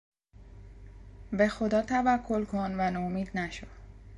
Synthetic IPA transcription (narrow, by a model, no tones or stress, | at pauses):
be̞xo̞d̪ɒːt̪ʰævækʰːo̞lkʰonvænomiːd̪næʃod̪̥